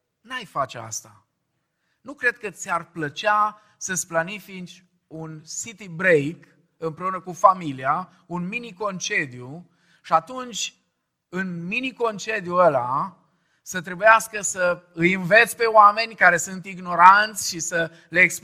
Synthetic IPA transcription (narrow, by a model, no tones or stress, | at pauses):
najfat͡ʃea̰st̪a | nukɾe̞d̪̥̚kət̪sʲarplət͡ʃa | səsplanifint͡ʃ | unsit̪ibɾejk | ɨmpɾe̞unəkufamilia | unminiko̞nt͡ʃe̞d̪iju | ʃiat̪unt͡ʃʲ | ɨnminiko̞nt͡ʃe̞d̪juəla | sət̪ɾe̞bujaskəsəɨjɨnve̞t̪sʲpe̞oame̞nʲkaɾe̞sunt̪iɡno̞ɾant̪sʲʃisə | leːksp